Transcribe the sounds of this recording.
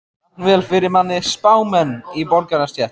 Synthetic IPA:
vɛlfɪɾɪɾmanːɪspaːwmɛnːipɔɾkanast̪jɛ

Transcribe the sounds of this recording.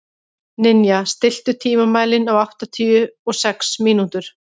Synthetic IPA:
nɪnjast̪ɪl̥t̪ʏt̪ʰiːmamaːjlɪnawawht̪at̪ʰiːʏɔsɛksmiːnut̪ʏɾ̥

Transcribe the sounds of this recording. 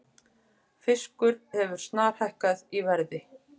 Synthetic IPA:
fɪskʏɾhɛvʏɾ̥st̪naːɾ̥hajhkaðivɛɾðɪ

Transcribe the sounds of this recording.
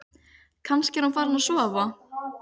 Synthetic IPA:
kʰanscɪɛɾhunfaːɾanasɔːava

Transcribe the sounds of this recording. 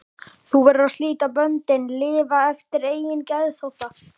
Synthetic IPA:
θuvɛːɾɪɾaðst̪liːt̪apœnt̪ɪnlɪːvaɛft̪ɪɾeːjɪncajðθowht̪a

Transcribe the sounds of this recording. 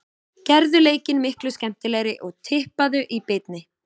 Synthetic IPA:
cɛɾðʏleːjcɪnmɪhklʏscɛm̥t̪ɪlɛɣɾɪʔɔɣt̪ʰɪhpaðʏʔipɪt̪nɪ

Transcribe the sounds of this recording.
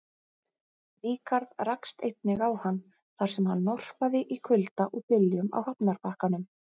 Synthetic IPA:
viːkaɾðrakst̪ḛjt̪̚nɪɣawhanː | θaɾ̥sɛmhanːɔr̥paðɪʔikʰvʏlt̪aʔupɪljʏma̰whapnaɾ̥pahkanʏm

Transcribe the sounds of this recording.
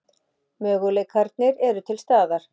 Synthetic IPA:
mœːɣʏlejkʰaɾt̪̚nɪɾɛɾʏt̪ʰɪlst̪aːðaɾ̥

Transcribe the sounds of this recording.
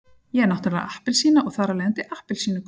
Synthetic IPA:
jɛɛɾnawht̪aɾa̰ahpɪlsiːnaʔɔɣθaɾalɛːɣant̪ɪʔahpɪlsiːnɪk

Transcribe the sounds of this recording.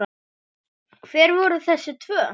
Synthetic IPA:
kʰv̥ɛːɾvɔɾʏθɛsːʏt̪ʰvœː

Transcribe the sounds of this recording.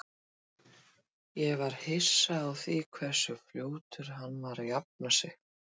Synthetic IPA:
jɛɣvaɾ̥hɪsːaːwθikʰvɛ̥sʏfljuːt̪ʏɾ̥ɦanːvaɾjap̚nasɪx

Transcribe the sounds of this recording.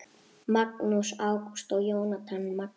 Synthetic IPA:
maknusawkust̪ɔjownat̪ʰanma

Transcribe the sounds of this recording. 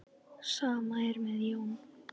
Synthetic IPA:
saːmaɛɾmɛðjum

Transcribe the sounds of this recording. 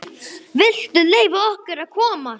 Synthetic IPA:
vɪl̥t̪ʏleːjvaɔhkʏɾaðkʰɔːma

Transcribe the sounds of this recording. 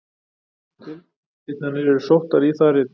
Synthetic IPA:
t̪ʰɪl | it̪anɪɾɛɾsoht̪aɾiθaɾɪ

